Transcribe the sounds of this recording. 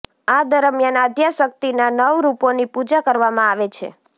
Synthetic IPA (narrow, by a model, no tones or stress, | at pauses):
ad̪əɾəmjanad̪ʱjaʃək̚t̪inanəʋɾuponipud͡ʒakəɾʋamãaʋet͡ʃʰḛ